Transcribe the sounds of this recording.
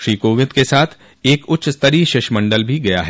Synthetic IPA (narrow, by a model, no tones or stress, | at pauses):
ʃɾiːkoːʋɪd̪kesaːt̪ʰ | eːkʊːt͡ʃʰst̪əɾiʃɪʃmɐ̃ɳɖəlbʱiɡɐja̰ɦɛː